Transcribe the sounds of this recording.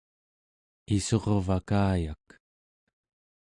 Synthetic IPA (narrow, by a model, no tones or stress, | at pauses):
iso̞ʁvakaːjak